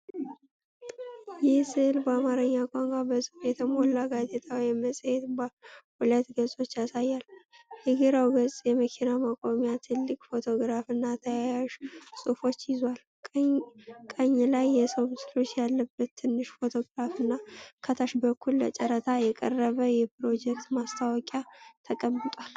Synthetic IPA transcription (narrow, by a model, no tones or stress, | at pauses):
jɪhsɨhlbəamaɾɨɲːakʷʼaŋɡʷʼabəsʼɨfjɛt̪ʰəmolːaɡazet̪ʰawjɛməsʼhɛt̪bhulət̪ɡəsʼo̞t͡ʃːjasajːal | hɨɡiɾawɡəsʼjɛməkʰinamakʼomijat̪ʰɨlːɨkʼfo̞t̪ʰo̞ɡɾafɨnːat̪ʰəjajaʃsʼufo̞t͡ʃːjɪzwalʼ | kʼəɲːlajːɛsəwmɨsɨlo̞t͡ʃːjalːəbːət̪ʰːɨnːɨʃfo̞t̪ʰo̞ɡɾafɨnːakʰət̪ʰaʃbəkʰːulːə̰t͡ʃʼəɾət̪ʰajɛkʼə̰rːəβəjɛpɾo̞d͡ʒɛkt̪mast̪ʰawɔkʼjat̪ʰəkʼəmːɨt̪ʼwal